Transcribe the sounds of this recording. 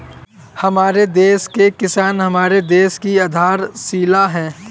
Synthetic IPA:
hɐmaːɾed̪eːskekɪsaːnɦɐmaːɾed̪eːskiad̪ʱaːɾsiːlaɦɛ̃ː

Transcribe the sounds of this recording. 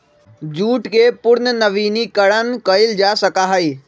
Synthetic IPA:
d͡ʒuːʈkepʊɾnənəʋiːnikəɽənkəɪld͡ʒaːsəkaɦəiː

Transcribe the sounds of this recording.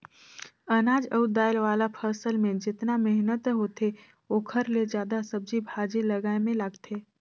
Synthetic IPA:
ɐnaːd͡ʒəʊd̪aːɪlʋaːlapʰəːsəlmẽd͡ʒɪt̪namɛɦnət̪ɦoːt̪ʰe | okʰəɾled͡ʒjaːd̪asɐb̚d͡ʒibʱaːd͡ʒilɐɡaːemẽlaɡt̪ʰeː

